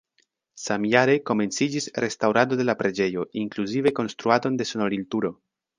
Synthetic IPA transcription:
samjaɾe̞ko̞me̞nt͡sid͡ʒisɾe̞stawɾado̞de̞lapɾe̞d͡ʒe̞jo̞ʔiŋkluzive̞ko̞nst̪ɾuado̞nde̞so̞noɾiltuɾo̞

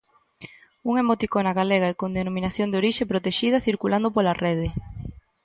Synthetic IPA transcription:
uŋemot̪ikonaɣaleɣaɛkond̪enomĩnaθjond̪eoɾiʃepɾot̪eʃið̞ɐθiɾkuland̪opolareð̞e

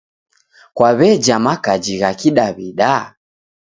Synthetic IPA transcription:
kwaβɛd͡ʒamakad͡ʒiɣakiɗaβiɗa

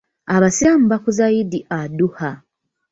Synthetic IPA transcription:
aβasiamuβakuzajidiʔaduha

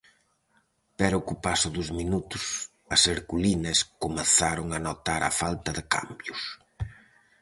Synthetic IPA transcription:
pɛɾʊkupasʊðʊzminut̪ʊs | ɐseɾkulinɐskʊmeθaɾʊŋɐnot̪aɾɐ̰falt̪ɐðɪka̰mbjʊs

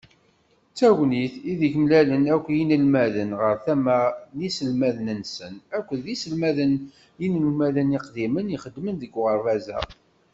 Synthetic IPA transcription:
t͡sːæwniθiðiçmlælənækʷːjinəlmæðənʁəɾθæmænisəlmæðənənsənækʷːəðisəlmæðən | jinəlmæðəniqd̪iməniχəd̪ːmənðəɡʁəɾːæzæ̰

